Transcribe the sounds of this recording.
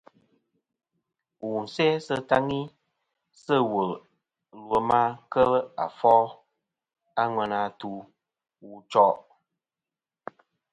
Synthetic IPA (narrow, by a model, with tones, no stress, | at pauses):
wu˨n̩˨sɛ˦sə˦ta˦ŋi˦ | sə˦˨wə˨ | lwə˨ma˦kə˦la˨fɔ˦ | a˦ŋwɛ˨na˨tu˦ | wu˦t͡ʃɔ˦ʔ